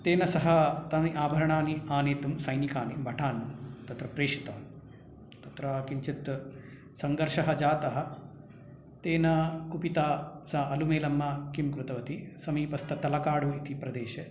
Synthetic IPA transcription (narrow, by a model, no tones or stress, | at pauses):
t̪eːnɐsɐɦɐt̪ɐmiʔaːbʱɐɾɐɳaːniaːneːt̪umsɐjnikaːnibʱɐʈʰaːnumt̪ɐt̪ɾɐpɾeːʃi̥t̪aːnu | t̪ɐt̪ɾaːkiɲt͡ʃit̪ | sɐŋɡɐɾʂɐɦɐd͡ʒaːt̪ɐɦɐ̆ | t̪eːnɐkupit̪aːsɐɦɐʔɐlumeːlɐmːɐkimkɾut̪ɐʋɐt̪isɐmiːpɐst̪ɐt̪ɐlɐkaːɽuit̪ipɾɐd̪eːʃe